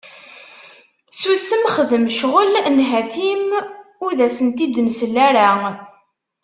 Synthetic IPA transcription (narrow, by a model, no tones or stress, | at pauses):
susəmχəðəmʃʁəlnɦæθimʊɾðæsənt̪id̪ənsəlːæɾa